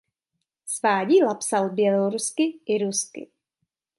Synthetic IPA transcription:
svaːɟiːlapsalbjɛloɾuskɪʔɪɾuskɪ̰

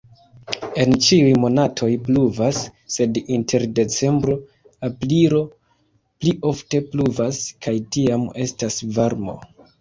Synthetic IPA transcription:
e̞nt͡ʃiujmo̞natʰo̞jpluvasːe̞dintʰe̞ɾde̞t͡se̞mbɾo̞ | apliɾo̞ | pliʔo̞fte̞pluvaskajtiame̞stasvaɾmo̞̰

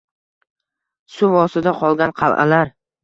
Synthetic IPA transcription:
sʊvɒsɪd̪aqʰɒlˠɡʲanqʰɑ̰lˠʔa̰laɾ

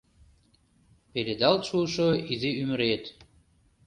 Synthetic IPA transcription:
peɾed̪ɑlt̪ʃuʃoiziyməɾet̪

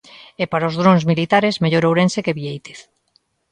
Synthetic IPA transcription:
ɛpaɾaozðɾonzmilit̪aɾezmeʎoɾowɾensekeβiejt̪e̥θ

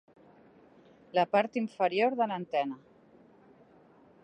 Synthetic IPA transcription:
lapaɾt̪iɱfəɾjoɾðəlant̪ɛna

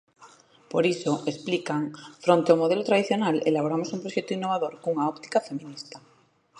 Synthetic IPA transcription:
poɾisoʔesplikaŋfɾont̪eawmoð̞elot̪ɾað̞iθjonalḛlaβ̞oɾamosumpɾoʃet̪oinːoβ̞aðoɾkuŋaopt̪i̥kafe̞mĩnist̪a

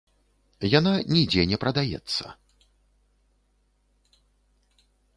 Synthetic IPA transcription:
jananʲid͡zʲɛnʲɛpɾɐd̪ajɛ̰t̪sːɐ̰

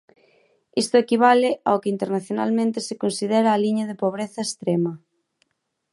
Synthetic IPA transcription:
ist̪ʊekiβ̞alɪaokɪint̪eɾnaθjona̰lmẽnt̪ɪsekonsiðɛɾaːliɲɐðepoβ̞ɾeθɐest̪ɾemɐ

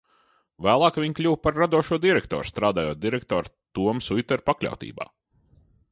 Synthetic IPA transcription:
væːlˠɑːkvʲiɲklʲuwpaɾːad̪uɔʃuɔd̪ʲiɾɛkt̪ɔ̰ːɾst̪ɾaːd̪aːjoːt̪̚d̪iɾɛk̚t̪ɔːɾt̪uɔmsujt̪ɛɾpaklʲa̰wt̪ḭːba̰ː

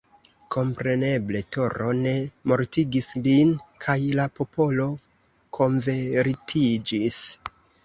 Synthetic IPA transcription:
kʰo̞mpɾe̞ne̞ble̞to̞ɾo̞ne̞mo̞ɾtiɡislinkʰajlapo̞po̞lo̞ | kʰo̞ɱve̞ɾtʰid͡ʒis

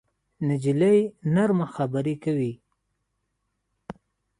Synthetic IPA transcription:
nad͡ʒilajnaɾmaxabaɾikawi

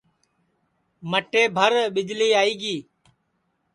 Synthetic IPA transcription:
məʈeːbʱəɾɓɪd͡ʒliːaːiːɡiː

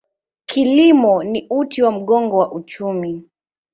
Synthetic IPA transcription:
kʰilimɔniutiwam̩ɠɔŋɡɔwaʔut͡ʃumi

